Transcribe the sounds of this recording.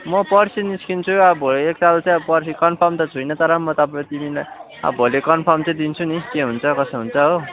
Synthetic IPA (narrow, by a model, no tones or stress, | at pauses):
mʌpʌrsiniskint͡sʰuʌbʱoleek̚salt͡saj̃pʌrs̬ikʌnpʰʌrmt̪ʌt͡sʰujnʌt̪ʌɾʌmːʌt̪ʌpãt̪imilaj | ʌ̰bʱolekʌnpʰʌrmt͡sʌ̃d̪int͡sʰunikeɦunt͡sʰʌkʌsʌɦunt͡sʰʌɦo